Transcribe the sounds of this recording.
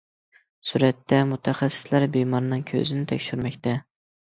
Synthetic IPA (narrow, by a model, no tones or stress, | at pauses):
suɾɛt̪ʰːɛmʊt̪ʰæχæsːɪ̥slæɾbɪmɒɾnɪŋkʲʰø̰zɪnɪt̪ʰɛkʲʃyɾmɛkʲt̪ʰɛ